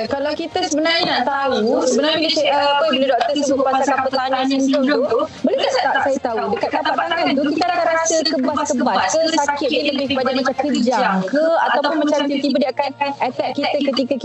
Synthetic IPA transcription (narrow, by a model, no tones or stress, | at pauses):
kalawkit̪asəbənarɲənaʔt̪ausəbənaɾminisaʔapajabəledwat̪əsəsupasakapət̪aŋãñunt̪ut̪ubəludasaasajət̪audəkaʔ̪lapaʔt̪aŋant̪ukit̪aɾakaɾasəkəbaskəbat̪̚kəsakɪt̪ɲiləbɪhkəbad͡ʒaʔmat͡ʃamkəd͡ʒajaŋkəa̰t̪awpʊnmat͡ʃamt̪it̪ibədiakanɛt̪ɛʔ̚kːit̪̚əkət̪ikak